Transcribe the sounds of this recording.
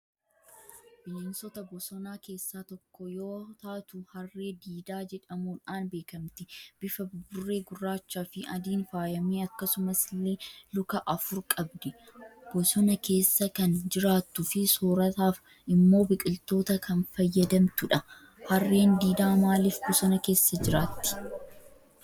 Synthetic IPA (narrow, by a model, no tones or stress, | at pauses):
b̥ɪleːnsɔt̪ɐbɔsɔnaːke̞ːsːaːt̪ɔkːɔjoːt̪aːt̪ʊhɐrːe̞ːd̪iːd̪aːd͡ʒɛᶑɐmuːᶑaːnbe̞ːkɐmt̪ɪb̥ɪfɐbʊrːe̞ːɡʊrːaːt͡ʃːaːfɪʔɐd̪iːnfaːjɐmiːɐkːɐsʊmɐslːe̞ːlʊkɐʔɐfʊɾkʼɐbd̪ɛb̥ɔsɔnɐke̞ːsːɐkɐnd͡ʒɪɾaːt̪ːʊfɪsoːɾɐt̪aːf | ɪmːo̞ːbɪkʼɪlt̪o̞ːt̪ɐkɐnfɐjːɐd̪ɐmt̪ʊᶑɐ | hɐrːe̞ːnd̪iːd̪aːmaːliːfbɔsɔnɐke̞ːsːɐd͡ʒɪɾaːt̪ːɪ̥